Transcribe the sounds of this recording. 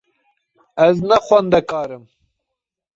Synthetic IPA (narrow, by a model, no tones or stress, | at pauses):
ɛznɛxʷɛnd̪ɛkɑːɾɨm